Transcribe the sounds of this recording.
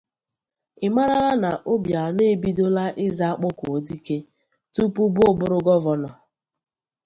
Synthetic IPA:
ɪ˨ma˦ɾa˦la˦na˨ʔo˦bja˨ne˦bi˦do˦la˦ʔɪ˦za˦a˦k͡pʊ˦ko˨di˦ke˦ | tu˦pu˦bʊ˦ʊ˦˨bʊ˦ɾʊ˦ɡɔ˦vɔ˦nɔ˨

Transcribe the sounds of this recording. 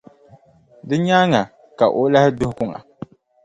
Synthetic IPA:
dɨ˦ɲaː˦ŋa˨ | ka˨ʔo˦la˦hɪ˦dʊ˦hʊ˦kʊ˦ŋa̰˨

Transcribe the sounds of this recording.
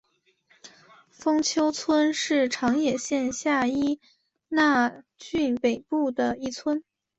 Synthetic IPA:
fɤ˥ŋt͡ɕʰjo˥ʊt͡sʰwə˥nʂɻ̩˥˩ʈ͡ʂʰɑ˧˥ŋjɛ˨˩ɕjɛ˥˧nɕja˥˧i˥ | na˥˧t͡ɕy˥˩npe˨˩ɪpu˥˩d̪ə˩i˥˩t͡sʰwə˥n

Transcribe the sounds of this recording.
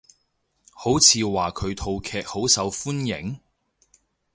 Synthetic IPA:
ho˨˥wt͡sʰiː˨˧waː˨kʰɵ˨˧ɥt̪ʰo˨˧wkʰɛː˧k̚ho˨˥wsɐ˨˧wfuː˥njɪ̰˨˩ŋ

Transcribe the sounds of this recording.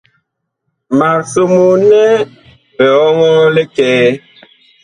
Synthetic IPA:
ma˨ɾso˨mu˨nɛ˦ | bɛ˨ɔ˦ŋɔ˦le˦kɛː˦

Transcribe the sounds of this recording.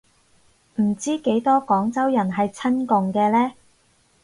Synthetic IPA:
m̩˨˩t͡siː˥ke˨˥jt̪ɔː˥kɔː˨˥ŋt͡sɐ˥wjɐ˨˩nɦɐ˨jt͡sʰɐ˥nkʊ˨ŋkɛː˧lɛː˥

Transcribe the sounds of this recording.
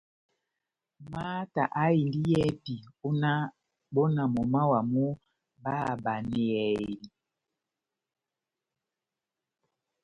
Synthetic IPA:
ma˦ta˨ʔa˦i˨ndi˦jɛ˦pi˨o˦na˦ | bo˦na˨mo˨ma˦wa˨mu˦ | ba˦˨ba˨ni˨ɛ˨li˨

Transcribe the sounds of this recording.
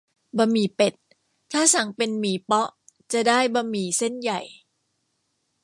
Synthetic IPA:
ba˧miː˨˦pe˨˩t̪̚ʰː | aː˥˩sa˩˦ŋpe˧nmiː˩˦pɔ˦˥ʔt͡ɕa˨˩daː˥˩jba˧miː˨˩se˥˩nja˨˩j

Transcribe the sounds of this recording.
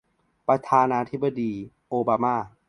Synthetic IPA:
pɾa˧t̪ʰaː˧naː˧t̪ʰi˦˥ba˧diː˧ | ʔoː˧baː˧maː˥˩

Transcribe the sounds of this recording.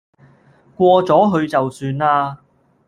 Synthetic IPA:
kʷɔː˧t͡sɔː˨˥ɦɵ˧ɥt͡sɐ˨wsyː˧naː˧

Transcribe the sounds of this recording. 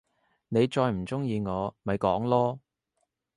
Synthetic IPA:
ne˨˧jt͡ʃɔː˧jm̩˨˩t͡sʊ˥ŋjiː˧ŋɔː˨˧mɐ˨jkɔː˨˥ŋlɔː˥

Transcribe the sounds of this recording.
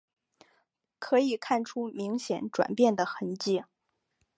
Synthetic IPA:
kʰɤ˧˥i˨˩kʰa˥˩nʈ͡ʂʰu˥mi˧˥ŋɕjɛ˧˩nʈ͡ʂwa̰˨˩npjɛ˥˩nd̪ə˩xə˧˥nt͡ɕi˥˩

